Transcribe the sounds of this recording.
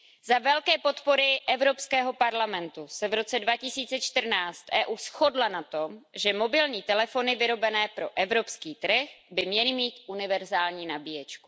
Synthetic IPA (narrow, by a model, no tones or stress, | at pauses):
zavɛlkɛːpo̞t̪po̞ɾɪʔɛvɾo̞pskɛːɦo̞paɾlamɛnt̪usɛvɾo̞t͡sɛdvacɪsiːt͡sɛt͡ʃt̪ər̩naːt͡st̪ʔɛːʔuːsxo̞dlanat̪o̞mʒɛmobɪlɲiːt̪ɛlɛfo̞nɪvɪɾo̞bɛnɛːpɾo̞ʔɛvɾo̞pskiːt̪ɾ̩xbɪmɲɛlɪmiːt̪ʔunɪvɛɾzaːlɲiːnabijɛt͡ʃku̥